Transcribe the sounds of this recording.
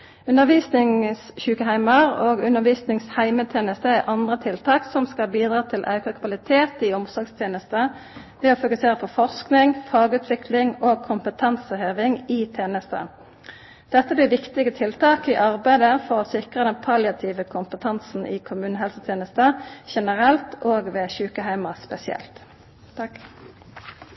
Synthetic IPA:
ʉnəʁʋiːsnɪŋsçʉːkəhæɪməʁoːɡʉnəʁʋiːsnɪŋshæɪmət̪ʰjeːnəst̪əæʔɑnd̪ʁət̪ʰɪlt̪ʰɑːksɔmskɑbiːd̪ʁɑːt̪ʰɪlʔɑ̰ʉkəkʰʋɑlɪt̪ʰeːt̪ɪʊmsɔɡst̪ʰjeːnəst̪ə | ʋɛɔfʊkʉseːʁəpʰɔfɔʁsknɪŋfɑːɡʉːt̪ʰʋɪkʰlɪŋoːɡ̚kʰʊmpət̪ʰɛnsəhøːʋɪŋɪt̪ʰeːnəst̪ə̰ | d̪̥ɛt̪ːəb̪ɪːʋɪkt̪ɪɡət̪ʰɪlt̪ʰɑːkɪʔɑʁbæɪd̪əfɔʁɔsɪkʁəd̪ɛnpʰɑljɑt̪ʰiʋəkʰʊmpət̪ʰɑnsn̩ʔɪ̰kʰʊmʉːnəɦɛlsət̪ʰjeːnəst̪əʃɛnəʁɛlt̪oːɡʋɛçʉːkəɦæɪmɑspɛsɪɛ̰lt̪

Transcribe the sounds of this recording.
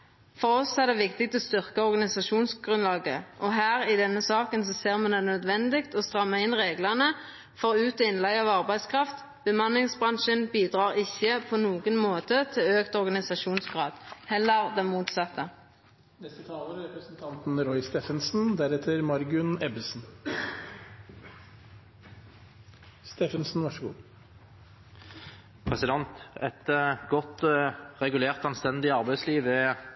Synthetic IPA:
fɔʁɔsːɔæʁd̪ɛːʋɪkt̪ɪk̚t̪ʰɔst̪ʏʁkəɔʁɡɑnɪsɑʃuːnsɡʁʉnlɑːɡə̰ʔɔɦæːʁɪd̪ɛnːəsɑːkənsɔseːʁmɛnd̪ɛnœd̪ʋɛnd̪ɪkt̪ɔst̪ʁɑmːəɪnʁeːɡlənə | fɔʁʉːt̪ɔɪnlæɪɑʋɑʁbæɪskʰʁɑft̪ | b̥əmɑnlɪŋsbʁɑnʃənbiːd̪ʁɑːʁɪçːəpʰɔnuːɡənmoːt̪ət̪ʰɪløːkt̪ɔʁɡɑnɪsɑʃuːnsɡʁɑːd̪̥hɛlːəʁd̪ɛnmuːt̪sɑt̪ʰːə | nɛst̪ət̪ʰɑːləɾɾɛpɾəsn̩t̪ʰɑnt̪n̩ɾɔʏst̪ɛːfənsn̩d̪æɾɛt̪ʰəɾmɑɾɡʉnɛbəsn̩ | st̪eːfənsn̩ʋɑʂəɡṵː | pʰʁɛsɪd̪ɛnt̪ɛt̪ɡɔt̪ʁɛɡʉleːʁt̪ɑnst̪ɛnd̪ɪɑʁbæɪsliːʋɛ

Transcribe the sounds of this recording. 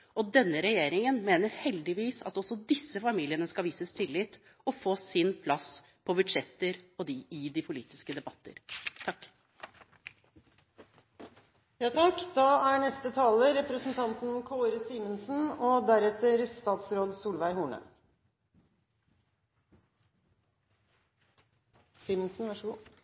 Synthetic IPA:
ɔd̪ɛnːəɾɛjeːɾɪŋənmeːnəɾhɛld̪ɪʋiːsɑ̰t̪ɔsɔd̪ɪsːəfɑmiːlɪənəskɑʋiːsəst̪ʰɪlːɪt̪ː | ɔfoːsɪnpʰlɑs | pʰɔbʉd̪ʂɛt̪ːəɾɔd̪ɪɪd̪ɪpʰʊlḭːt̪ɪskəd̪ɛbɑt̪ːə̰ɾt̪ʰɑkː | jɑːt̪ʰɑkd̪ɑːæɳɛst̪ət̪ʰɑːləɾɛpɾəsn̩t̪ʰɑnt̪n̩kʰoːɾəsiːmənsn̩ɔd̪æɾɛt̪əɾst̪ɑːt̪sɾoːd̪suːlʋæɪhuːɳə̰ | siːmənsn̩ʋɑʂ

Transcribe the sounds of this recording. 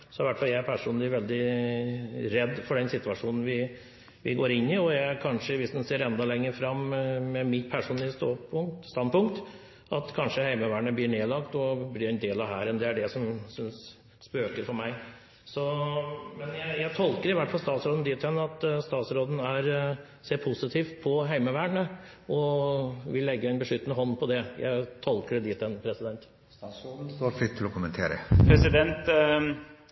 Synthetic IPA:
sɔɪʋæʈfɑljæɪæɾpʰæʂuːnɪɾʋɛld̪ɪ | ɾɛd̪ːfɔɖɛnsɪt̪ʋɑʂuːnn̩ʋɪ | ʋɪ̰ɡoːɾɪnːɪɔjæɪæɾkʰɑnʂəʋɪsd̪ɛnseːɾɛnd̪ɑlɛŋːəɾfɾɑmːmɛmɪpʰæʂuːnlɪst̪opʊst̪ɑnpʰʊŋkt̪ | ʔɑt̪kʰɑnʂəhæɪməʋæːɳəblɪɳeːlɑkt̪ɔblɪɾɛnd̪eːlɑʋɦæːɾɛnd̪ɛæɖɛsɔmsʏns | spøːkəɾfɔɾmæɪ | sɔmɛnjæɪjæɪt̪ʰɔlkəɾɪʋæʈːfɑlst̪ɑːt̪sɾoːd̪n̩d̪ɪt̪ʰɛnːɑt̪st̪ɑːt̪sɾoːd̪n̩æɾ | seːɾpʰʊsɪt̪ʰiːft̪̚pʰɔɦæɪməʋæːɳə | ɔʋɪlːɛɡːəɛɪnbəʂʏt̪ːənəɦɔnːpʰɔd̪ɛjæ̰ɪt̪ʰɔlkəɾd̪ɪt̪ʰɛnpʰɾɛsɪd̪ɛnt̪ | st̪ɑːt̪sɾoːd̪n̩st̪oːɾfɾɪt̪ʰːɪlɔkʰʊmənt̪ʰeːɾə̰pʰɾɛsɪd̪ɛnt̪

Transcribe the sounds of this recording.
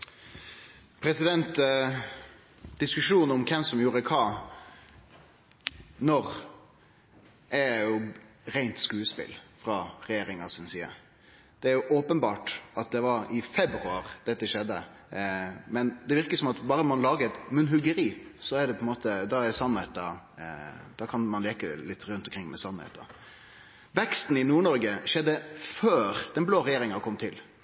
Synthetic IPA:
pʰɾɛsɪd̪ɛnt̪ | d̪̥ɪskʉʂuːnɔmkʰɛnsɔmjuːɾəkʰɑː | nɔʁ | ʔɛjʊ | ɾæɪnt̪skʉːəspɪ̰lfɾɑɾɛjeːɾɪŋɑsɪnsiːə̰ | d̪̥ɛæɾjʊʔoːpənbɑːʈɑt̪̚d̪ɛʋɑɾɪfɛbɾʉɑɾd̪̥ɛt̪ːəʃɛd̪ːə̰ | mɛnd̪ɛʋɪɾkəsɔmɑt̪bɑːɾənɔmɑnlɑːɡəɛt̪mʉnɦʉɡəɾiːsɔæɖ̪ɛpʰɔɛnmoːt̪əd̪ɑæsɑnːhɛt̪ɑ | d̪̥ɑkʰɑnmɑnleːkəlɪt̪ːɾʉnt̪ɔmkɾɪŋːmɛsɑnhḛːt̪ɑ̰ | ʋɛkst̪n̩ɪnuːɳɔɾɡəʂɛd̪ːəføːɾd̪̥ɛnbloːɾɛjeːɾɪŋɑkʰɔmːt̪ʰɪl

